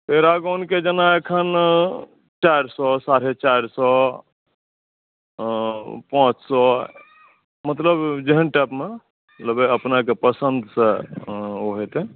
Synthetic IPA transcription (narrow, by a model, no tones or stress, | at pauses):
peɾaɡɔnked͡ʒənaekʰən | t͡ʃajɾsɔsaɾ̤et͡ʃaɾsɔ | pãːt͡ʃsɔ | mət̪ləbd͡ʒeɦənʈɛːpme | ləbeəpnak̬epəsənd̪ʱsẽ | oɦet̪e